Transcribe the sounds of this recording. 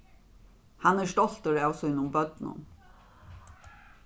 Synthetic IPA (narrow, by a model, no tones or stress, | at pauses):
hanæɹʂt̪ɔl̥t̪əɹawsɔɪnʊmbœt̪nʊ̰n